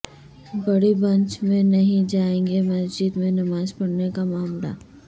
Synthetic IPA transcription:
bɐɽibɐ̃ɲt͡ʃmẽnɐɦĩd͡ʒaːẽːŋɡemɐsd͡ʒiːd̪mẽnɐmaːzpɐɽnekamaːmla̰

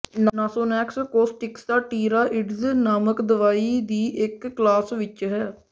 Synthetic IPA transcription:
naːsoːnɛːkskoːsʈɪksd̪aːʈiːɾaːʔɪɖznaːməkd̪əʋaːiːd̪iːʔɪkːlaːsʋɪt͡ʃɦɛː

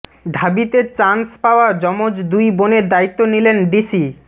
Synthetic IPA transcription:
ɖʱabit̪et͡ɕanspaoad͡ʑɔmod͡ʑd̪ujboneɾd̪ait̪ːonilenɖisi

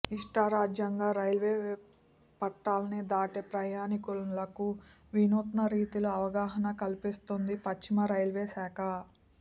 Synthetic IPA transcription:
iʂʈaɾaːd͡ʒjɐŋɡaːɾɐjlʋeː | pɐʈːaːlɐnid̪aːʈepɾɐjaːnikulɐku | ʋinuːt̪nɐɾiːt̪iluɐʋɐɡaːɦɐnɐkɐlipist̪ond̪ipɐt͡ʃt͡ʃːimɐɾɐjlʋeːsaːkɐ

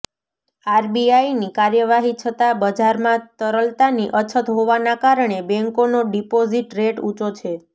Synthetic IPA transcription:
aɾbiajnikaɾjəʋaɦit͡ʃʰət̪abəd͡ʒaɾmãt̪əɾəlt̪aniʔət͡ʃʰət̪ɦoʋanakaɾəɳebɛ̃ŋkonoɖipoziʈɾeʈũt͡ʃot͡ʃʰe

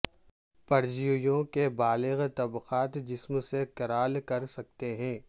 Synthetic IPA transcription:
pɐɾd͡ʒijjõkebaːlɪɣt̪ɐbqaːt̪d͡ʒɪsmsekɐɾaːlkɐɾsɐk̚t̪eɦɛ̃ː

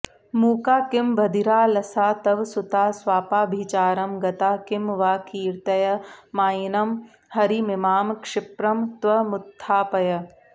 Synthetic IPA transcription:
muːkaːkɪmbʱɐd̪iɾaːlɐsaːt̪ɐʋsʊt̪aːswaːpaːbʱiːt͡ʃaːɾɐmɡɐt̪aːkɪmʋaːkiːɾt̪ɐjɐmaːjinɐm | hɐɾimɪmaːmkʂɪpɾɐmt̪ʋɐmʊt̪ʰːaːpɐjɐ

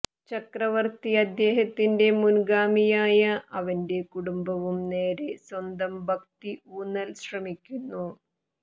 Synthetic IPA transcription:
t͡ɕɐkrɐʋɐrt̪iɐd̪ːe̞ːɦɐt̪ːinde̞munɡaːmijaːjɐʔɐʋɐnde̞kuɽumbɐʋumne̞ːɾeswɐnd̪ɐmbʱɐk̚t̪iuːnːɐlɕrɐmikʲːunːu

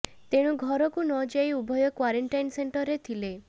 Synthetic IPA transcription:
t̪eɽ̃ũɡʱɔɾɔkunɔd͡ʒajubʱɔjɔkwaɾeɳʈajnseɳʈɔɾet̪ʰile

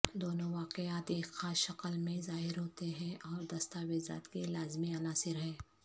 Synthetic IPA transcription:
d̪oːnoʋaːqejaːt̪eːkxaːʃɐqəlmẽzaːɦɪɾɦoːt̪eɦɛ̃ʔɔːɾd̪ɐst̪aːʋeːza̰ːt̪kelaːzmiɐnaːsɪɾɦɛ̃ː

